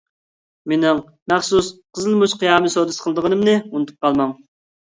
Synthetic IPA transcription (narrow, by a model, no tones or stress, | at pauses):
menɪŋ | mæχsusqʰəzɨlˠmuʃqʰijɑːmɨsod̪ɨsqʰəlˠd̪əʁənɨmnɨunɨt̪ʰu̥p̚qʰɑlˠmɑŋ